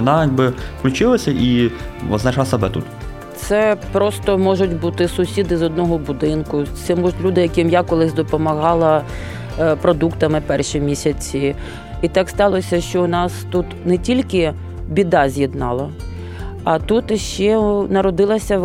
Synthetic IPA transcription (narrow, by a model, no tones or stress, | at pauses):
nɑjaɡ̚bɪfklʲʊt͡ʃɪlˠɐsʲɐʔiʋɐ̰znɐʃlˠɐsɐbɛt̪ṵt̪ | t̪sɛpɾɔst̪ɔmɔʒʊtʲbut̪ɪsʊsʲid̪ɪzɔd̪nɔɦɔbʊd̪ɪnkʊt̪sɛmɔʒʊtʲlʲud̪ɪjɐkɪmjakɔlˠɪzʲd̪ɔpɔmɐɦɑlˠɐ | pɾɔd̪ukt̪ɐmɪpɛrʃimʲisʲɐt͡sʲi | it̪ɑkst̪ɑlˠɔsʲɐʃt͡ʃɔʊnɑst̪ut̪nɛtʲilʲkɪ | bʲid̪ɑzʲjid̪nɑlˠɐ | ɐt̪ut̪ʃt͡ʃɛnɐɾɔd̪ɪlˠɐsʲɐ